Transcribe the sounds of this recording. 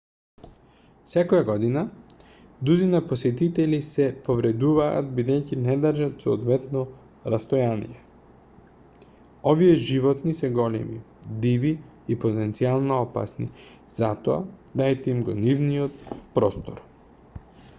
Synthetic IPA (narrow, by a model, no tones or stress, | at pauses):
sɛkojaɡɔd̪ina | d̪uzinaposɛt̪it̪ɛlisɛpovɾɛd̪uva̰ːt̪̚bid̪ɛjcinɛd̪ɾʒat̪soːd̪vɛt̪nɔ | ɾast̪ojanḭjɛ | ovijɛʒivɔt̪nisɛɡɔlɛ̰mi | d̪iviː | pot̪ɛnt̪sialˠnoɔpa̰snḭ | z̥at̪oa̰d̪ajt̪ɛimɡɔnivnijɔt̪̚pɾɔst̪oɾ